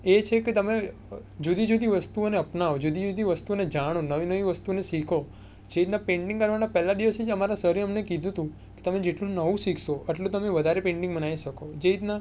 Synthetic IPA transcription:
et͡ʃʰeket̪əme | d͡ʒud̪ʱid͡ʒud̪ʱiʋəst̪uoneəpnaʋod͡ʒud̪ʱid͡ʒud̪ʱiʋəst̪uoned͡ʒaɽ̃onəʋinəʋiʋəst̪uneʃikʰo | d͡ʒeit̪napẽɳʈĩŋɡkəɾʋanapɛlad̪iʋəsid͡ʒəmaɾasəɦɾiəmnekid̪ʱũt̪ũ | ke̥t̪əmed͡ʒeʈlũnəʋũsikʰʃoʔəʈlũt̪əmeʋəd̪ʱaɾepẽɳʈĩŋɡbənaiʃəkod͡ʒeit̪na

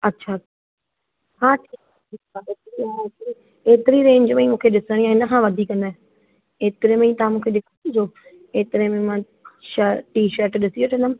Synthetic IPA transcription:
ɐtːʃʰaa | ɦãːʈʰiːkaʈʰiːkaeːt̪ɾiaːeːt̪ɾi | eːt̪ɪɾiɾẽːɲd͡ʑmɐ̃ĩmũːkʰeɗɪsəɽ̃iãɪnə̆kʰãːʋɐd̪ʱikɐnaɛ | eːt̪ɪɾemɐ̃ĩt̪ɐʋãmũːkʰeɗɪkʰɽ̃ĩd͡ʑoː | eːt̪ɪɾemẽmã | ʃəʈiːʃəɾʈɗɪsioːʈʰɐ̃nəm

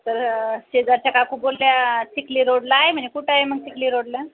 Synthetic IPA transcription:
t̪əɾɕed͡zaɾt͡ɕakakʰuːp̚bolːjat͡ɕikliːɾoɽlaːɦem̤əɳd͡zekuʈʰaɦeməɡ̚t͡ɕikliːɾoɽlja

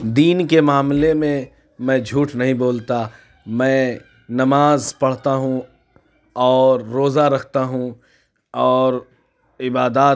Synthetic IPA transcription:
d̪iːnkemaːmlemẽ | mɛ̃d͡ʒʱuːʈnɐɦĩboːlt̪a | mɛ̃ː | nɐmaːzpɐɽ̤t̪aɦũ | ɔːɾːoːzaɾɐkʰt̪aɦũ | ɔːɾ | ɪbaːd̪aː

